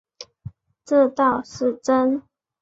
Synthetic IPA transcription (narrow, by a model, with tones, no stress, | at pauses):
ʈ͡ʂə˥˧t̪ɑ˥˨ʊʂɻ̩˥˨ʈ͡ʂə˦n